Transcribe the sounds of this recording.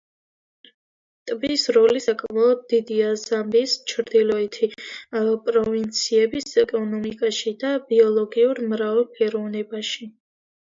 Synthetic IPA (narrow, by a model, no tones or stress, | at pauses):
t̪ʼbisɾɔlisakʼmaɔd̪̚d̪id̪iazambist͡ʃʰɾd̪ilɔɛt̪ʰi | pʼɾɔvint̪sʰiɛbisɛkʼɔnɔmikʼaʃid̪abiɔlˠɔɡiuɾmɾavɛlpʰɛɾɔvnɛbaʃi